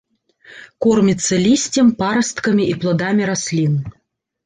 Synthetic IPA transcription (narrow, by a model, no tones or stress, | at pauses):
kɔrmʲit̪sːɐlʲisʲt͡sʲɛmpaɾɐst̪kɐmʲiʔiplˠad̪amʲiɾasʲlʲin